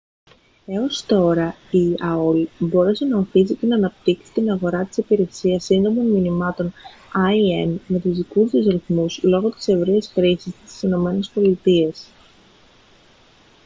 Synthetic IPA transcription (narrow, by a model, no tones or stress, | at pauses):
e̞ost̪o̞ɾɐiɐolbo̞ɾese̞nɐo̞θisit̪inɐnɐp̚t̪iksi̥t̪inɐɣo̞ɾɐt̪i̥sipiɾe̞siɐsːind̪o̞monminimɐt̪o̞n | ɐie̞nme̞t̪uzðikuzðizɾiθmuslo̞ɣo̞t̪i̥se̞vɾiesxɾisissi̥sino̞me̞ne̞spo̞lit̪ies